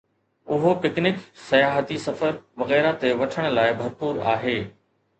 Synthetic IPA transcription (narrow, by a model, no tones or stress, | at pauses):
ʊɦopɪknɪksɐjaːɦət̪isɐfəɾʋɐɣɛːɾat̪eʋɐʈʰəɽ̃ʊ̆laːɪbʱɐɾpuːɾa̰ːɦeː